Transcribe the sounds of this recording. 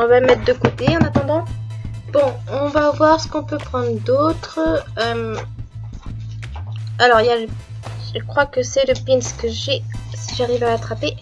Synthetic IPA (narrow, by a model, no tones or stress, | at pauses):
ɔ̃vamɛt̪̚χd̪əkot̪eɑ̃nat̪ɑ̃d̪ɑ̃bɔ̃ɔ̃vavwaʁsə̥kɔ̃pøpχɑ̃d̪ʁd̪ot̪χəœm | alɔʁijalə | ʒəkχwakəsɛləpinskəʒɛsiʒaʁivaːt̪χape